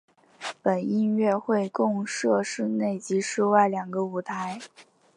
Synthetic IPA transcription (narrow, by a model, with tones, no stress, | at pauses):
pə˨˩ni˥˧nɥɛ˥˧xwe˥˧ɪkʊ˥˧ŋʂɤ˥˧ʂɻ̩˥˧ne˥˩ɪt͡ɕi˧˥ʂ̩˥˧wa˥˩ɪljɑ˨˩ŋɡə˦u˨˩t̪ʰa˧˥ɪ